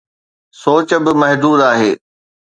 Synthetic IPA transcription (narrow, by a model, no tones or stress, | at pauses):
soːt͡ɕəbɪmɐɦd̪uːd̪aːɦeː